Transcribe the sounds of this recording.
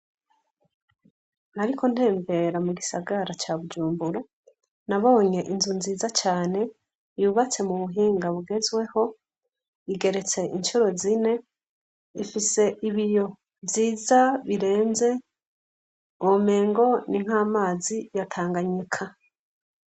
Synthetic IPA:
naɾiko̞n̥he̞ːmbe̞ɾamuɡisaɡaɾat͡ʃaβud͡ʒuːmbuɾa | naβoɲe̞ʔinzunziːzat͡ʃaːne̞ | juβat͡se̞muβuɦiːŋɡaβuɡe̞zwe̞ho̞ | iɡe̞ɾe̞t͡se̞ʔint͡ʃuɾo̞zine̞ | ifise̞ʔiβijo̞ | viːzaβiɾe̞ːnze̞ | ome̞ːŋɡo̞niŋ̥haːmaːzijatʰaːŋɡaɲikʰa

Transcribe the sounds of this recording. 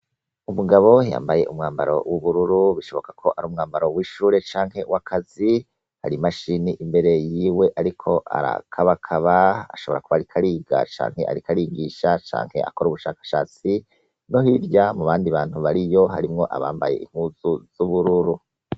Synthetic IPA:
umuɡaβo̞ja̰ːmbaje̞̰ʔumŋaːmbaɾo̞̰wʔuβuɾuɾuβiʃo̞βo̞kakʰo̞ʔaɾuːmŋaːmbaɾo̞wiʃuːɾe̞t͡ʃaːŋ̥he̞wakʰazi | ha̰ɾimaʃiniʔimbe̞ɾe̞jiːwe̞ʔaɾikʰo̞ʔa̰ɾa̰kʰaβakʰaβaa̰ʃo̞βo̞ɾakuβaɾikʰaɾiːɡa̰t͡ʃa̰ːŋhe̞̰ʔa̰ɾikʰaɾiːŋɡiʃat͡ʃa̰ːŋhe̞̰a̰ko̞ɾuβuʃaːkḁʃa̰ːt͡si | no̞ɦiɾjamuβaːndiβaːn̥huβaɾijo̞ɦaɾimŋo̞ʔa̰βa̰ːmba̰je̞ʔḭm̥huːz̥uz̥uβuɾuɾu

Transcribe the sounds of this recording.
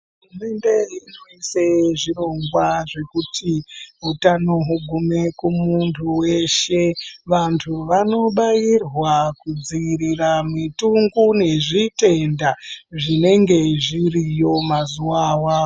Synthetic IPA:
ɦurume̞nde̞ɦinoiseʐiro̞ŋɡwaʐe̞kutʰiɦutanoɦuɡʱume̞kumuntʰuwe̞ʃe̞ʋantʰuʋano̞ɓajirwakud͡ziiɾiramituŋɡune̞ʐite̞ndaʐine̞ŋɡe̞ʐirijo̞mazuwawaːo

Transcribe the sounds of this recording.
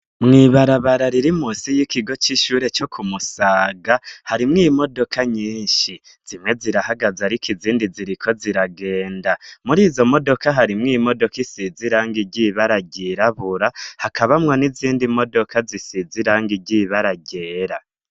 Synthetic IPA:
mŋiβaɾaβaɾaɾiɾimuːsijikiɡo̞t͡ʃiʃuːɾe̞t͡ʃo̞kʰumusaːɡahaɾimŋiːmo̞do̞kʰaɲiːnʃi | z̥imŋe̞ziɾahaɡazaɾikʰiziːndiziɾikʰo̞ziɾaɡe̞ːndamuɾiːzo̞mo̞do̞kaɦaɾimŋiːmo̞do̞kisiziɾaːŋɡiɟiːβaɾaɟiɾaβuɾahakʰaβamŋo̞niziːndimo̞do̞kazisiziɾaːŋɡiɟiβaɾaɟe̞ːɾa

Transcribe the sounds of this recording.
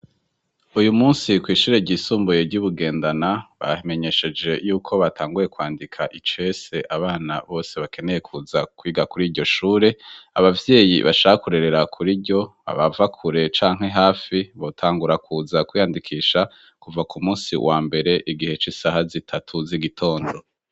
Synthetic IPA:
ujumuːnsikwiːʃuːɾe̞ɾɟiːsuːmbuje̞ɾɟuβuɡe̞ːndanaβa̰hme̞ɲe̞ʃe̞d͡ʒe̞juːkʰo̞βatʰaːŋɡuɾje̞kwaːndikʰaʔit͡ʃe̞se̞ʔaβaːna̰βo̞ːse̞βakʰe̞ne̞je̞kʰuzakwiːɡakuɾiːɾɟo̞ʃuːɾe̞aβavje̞ːjḭβa̰ʃaːhakuɾe̞ɾe̞ɾakʰuɾiɾɟo̞a̰βavakʰuɾe̞t͡ʃaːŋ̥he̞ɦaːfiβo̞tʰaːŋɡuɾakʰuzakwiːjandikʰiːʃa | kuvakumuːnsḭwʔaːmbe̞ɾe̞ʔiɡihe̞t͡ʃisaɦazitʰatʰuziɡitʰo̞ːndo̞

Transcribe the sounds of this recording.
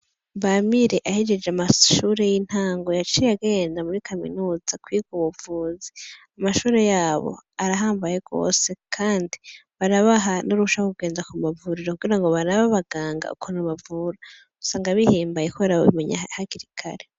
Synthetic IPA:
βamiɾe̞ʔahed͡ʒe̞d͡ʒamaʃuːɾe̞jin̥haːŋɡo̞jat͡ʃijaɡe̞ːndamuɾikʰamḭnuːz̥akwiːɡ̥oβuvuːziamaʃuːɾe̞jaːβo̰aɾaɦaːmbaje̞ɡ̥o̞̰ːse̞kʰaːndiβaɾaβaɦanuɾuʃaokuɡe̞ːndakumavuɾiɾokuɡiɾaŋɡo̞βaɾaβaβaɡ̥aːŋɡa̰ukʰonaβavuɾa | u̥saːŋɡaβihiːmbajekoβeɾaβoβḭmeɲa̰haɡiɾikʰa̰ɾe

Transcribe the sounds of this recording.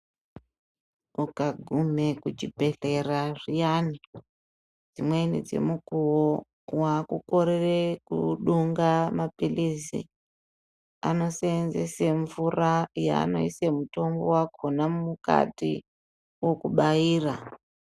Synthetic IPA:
ukaɡʱume̞kut͡ʃibʱe̞ɬe̞raʐijani | d͡zimwenid͡ze̞̰mukuwo | wakuko̞ɾerekuɗuŋɡamapilisḭ | a̰no̞seːnzeseɱvuraja̰ːno̞̰isemuto̞mbowako̞namuka̰tḭ | wo̞kuɓaiːra

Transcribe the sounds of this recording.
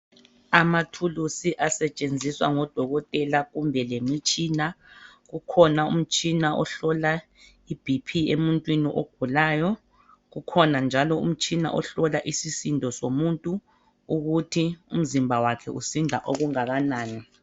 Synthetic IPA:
amatʰulusiʔasɛt͡ʃʼend͡zʱiswa̰ŋɔd̥ʱɔɣɔtʼɛlaɣumbʱɛlemit͡ʃʼiːnaɣukʰɔnaṵm̩t͡ʃʼinaʔɔ̰ɬɔla | ib̥ʱipʰiemuntʼwiniʔoɡ̥ʱulaːjɔ | ɣukʰɔnand͡ʒʱalɔṵm̩t͡ʃʼina̰ʔɔɬɔlaʔisisindʱɔsomuntʼu | uɣutʰiṵm̩zimbʱawakʰɛusindʱaʔoɣuŋaɣanaːni

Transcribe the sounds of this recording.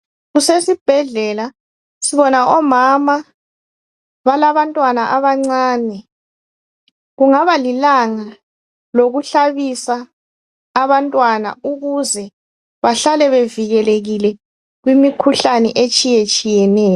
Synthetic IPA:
ɣusesib̥ʱɛɮɛla | siβɔnaʔɔmama | βalaβantʼwanaʔaβaŋ͡ǀaːnɛ | ɣuŋaβalilaŋa | loɣuɬaβisaː | βantʼwana̰uɣuzɛ | βaɬalɛβeviɣɛleɣilɛ | ɣwimikʰuɬanɛʔet͡ʃʼijet͡ʃʼijɛnɛːjɔ

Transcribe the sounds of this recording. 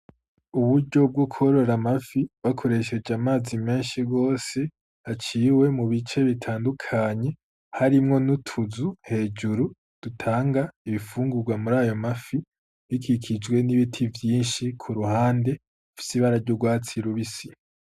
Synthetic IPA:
uβuɾɟo̞b̚ɡokʰo̞ɾo̞ɾamafiβakʰo̞ɾe̞ʃe̞d͡ʒeamaːzime̞ːnʃiɡo̞ːse̞ | at͡ʃiːwe̞muβit͡ʃe̞βitʰaːndukʰaɲe̞ | haɾimŋo̞nutʰuzuhe̞ːd͡ʒuɾu | d̥utʰaːŋɡaiβifuːŋɡuɾɡwamuɾaːjo̞mafi | βikʰikʰid͡ʒɡwe̞niβitʰivjiːnʃikʰuɾuhaːnde̞ | fi̥siβaɾaɾɟoɡwaːt͡siɾuβisi

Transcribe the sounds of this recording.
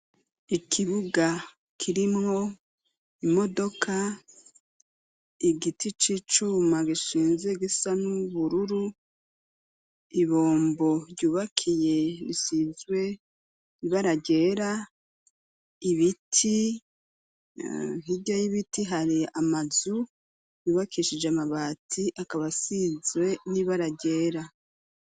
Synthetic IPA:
ikʰiβuɡa | kʰiɾimŋo̞ | imo̞do̞kʰa | iɡitit͡ʃit͡ʃumaɡiʃiːnze̞ɡisanuβuɾuɾu | iβo̞ːmbo̞ɾɟuːβakʰije̞ɾisizwe̞ | iβaɾaɟe̞ːɾa | iβitʰi | ɦiɟajiβitiɦaɾiamazu | juːβakʰiʃid͡ʒeamaβatʰiʔakaβasizwe̞niβaɾaɟe̞ːɾa

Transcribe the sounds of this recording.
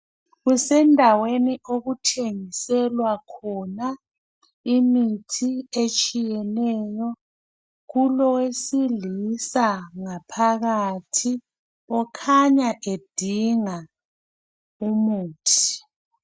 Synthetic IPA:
ɣusɛndʱaweniʔoɣutʰeŋisɛlwakʰɔna | imitʰiet͡ʃʼijɛnɛːjɔ | ɣulɔwesilisaŋapʰaɣatʰi | ɔkʰaɲaʔed̥ʱiŋa | umuːtʰi̥

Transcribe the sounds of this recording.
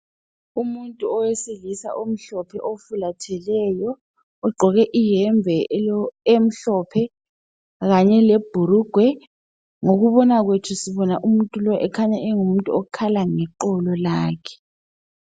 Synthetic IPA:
umuntʼuɔweselisa̰ʔom̩ɬɔpʰɛʔofulatʰɛlɛjɔː | ɡ͡ǃʱɔɣɛʔijɛɱb̪vʱɛ | em̩ɬɔpʰɛ | ɣaɲɛleb̥ʱuɾuɡ̥ʱwɛ | ŋoɣuβɔnaɣwetʰusiβɔnaʔumuntʼulɔʔɛkʰaɲaʔɛŋum̩tʼuokʰalaŋɛǃɔlɔlaːkʰɛ̥

